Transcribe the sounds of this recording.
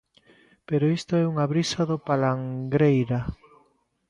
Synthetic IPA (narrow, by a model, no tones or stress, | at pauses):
peɾoist̪ʊɛuŋaβɾisaðopalaŋɡɾejɾa